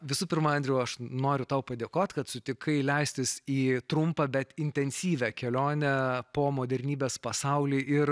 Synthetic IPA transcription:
ʋʲɪsuːpʲɪɾmːɐnʲd̪ʲɾʲɛuɐʃnoːɾʲʊt̪ɐʊpɐd̪ʲeːkoːt̪ʲkɐt̪sʊt̪ʲɪkɐɪlʲɛɪsʲt̪ʲɪsiːt̪ɾʊmpɐbʲɛt̪ɪnʲt̪ʲɛnʲsʲiːʋʲɛkʲɛlʲoːnʲɛpoːmoːd̪ʲɛɾʲnʲiːbʲeːspɐsɑʊlʲiːʔɪr

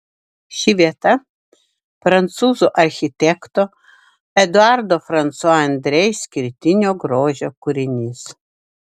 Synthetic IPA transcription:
ʃʲiʋʲiɛt̪ɐ | fɾɐnt̪suːzoʔɐɾʲxʲɪt̪ʲɛkt̪o | ɛd̪ʊaɾd̪ofɾɐnt̪swɔɐnʲd̪ʲɾʲɛjsʲkʲɪɾʲt̪ʲɪnʲoɡɾoːʒʲokʊɾʲɪnʲiːs

